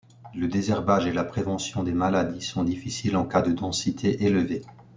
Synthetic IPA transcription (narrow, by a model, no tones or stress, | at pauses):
ləd̪ezɛʁbaʒelapχevɑ̃sjɔ̃d̪emalad̪isɔ̃d̪ifisilɑ̃kad̪əd̪ɑ̃sit̪ʰeʔeləve